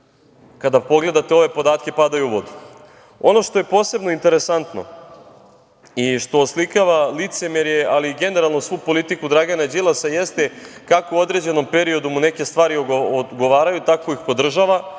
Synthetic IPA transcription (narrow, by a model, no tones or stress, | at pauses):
kad̪apo̞ɡle̞d̪at̪eo̞ʋe̞po̞d̪aːt̪ke̞pad̪ajuuʋod̪u | o̞no̞ʃt̪o̞je̞po̞ːse̞bno̞int̪e̞ɾe̞sant̪no̞̰ | iʃt̪o̞slikaʋalit̪se̞meɾjealiɡe̞ne̞ɾalˠno̞sʋupo̞lit̪ikud̪ɾaɡanad͡ʑilˠasaje̞st̪ekakouo̞d̪ɾe̞d͡ʑe̞no̞mpe̞ɾio̞d̪umune̞ke̞st̪ʋaːɾioɡoʋaːɾajut̪ako̞ixpo̞d̪r̩ʒaʋa